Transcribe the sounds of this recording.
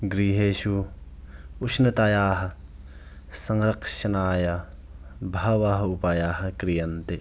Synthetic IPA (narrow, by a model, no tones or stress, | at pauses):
ɡɾiːɦeːʃu | uʃnɐt̪aːjaːɦɐ | sɐŋɾɐkʃɐnaːjɐ | bʱɐʋaɦɐupaːjaːɦɐkɾijɐnt̪e